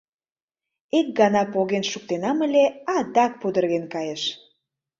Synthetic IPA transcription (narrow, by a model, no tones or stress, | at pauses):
ek̚ɡɑnɑpoɣenʃuk̚t̪enɑmə̆lʲeɑd̪ɑk̚pud̪ə̆rɣenkɑjeʃ